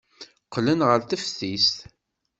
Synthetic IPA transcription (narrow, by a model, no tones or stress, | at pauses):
qːlənʁəɾθəfθist̪